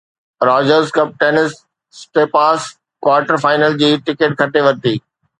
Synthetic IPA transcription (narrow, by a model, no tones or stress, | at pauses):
ɾaːd͡ʑəɾzkɐp̚ʈeːnɪsː | ʈeːpaːs | kwaːɾʈəɾfaːɪnəld͡ʑiːʈɪkeʈ̚kʰɐʈeʋɐɾt̪iː